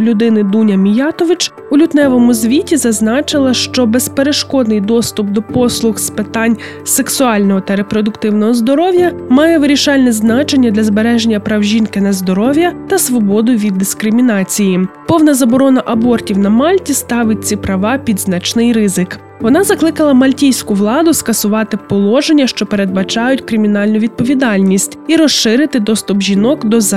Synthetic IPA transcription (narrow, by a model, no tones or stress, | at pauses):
lʲʊd̪ɪnɪd̪unʲɐmʲijɑt̪ɔʋɪt͡ʃ | ulʲʊt̪nɛʋɔmʊzʲʋʲitʲizɐznɑt͡ʃɪlˠɐʃt͡ʃɔbɛspeɾeʃkɔd̪nɪjd̪ɔst̪ʊpd̪ɔpɔslˠʊxspɪt̪ɑnʲ | se̞ksʊɑlʲnɔɦɔt̪ɐɾepɾɔd̪ʊkt̪ɪwnɔɦɔzd̪ɔɾɔwjɐmɑjɛʋɪɾʲiʃɑlʲnɛznɑt͡ʃenʲːɐd̪lʲɐzbeɾɛʒenʲːɐpɾɐwʒʲinkɪnɐzd̪ɔɾɔʋʲjɐt̪ɐsʋɔbɔd̪ʊʋʲid̪ːɪskɾɪmʲinɑt͡sʲijipɔwnɐzɐbɔɾɔnɐʔɐbɔrtʲiwnɐmɑlʲtʲist̪ɑʋɪt̚ʲt͡sʲipɾɐʋɑpʲid̪znɐt͡ʃnɪjɾɪzɪk | ʋɔnɑzɐklˠɪkɐlˠɐmɐlʲtʲijsʲkʊʋlˠɑd̪ʊskɐsʊʋɑt̪ɪpɔlˠɔʒenʲːɐʃt͡ʃɔpe̞ɾe̞d̪̚bɐt͡ʃɑjʊtʲkɾɪmʲinɑlʲnʊʋʲid̪̚pɔʋʲid̪ɑlʲnʲisʲtʲiɾɔʃʃɪɾɪt̪ɪd̪ɔst̪ʊbʒʲinɔkd̪ɔ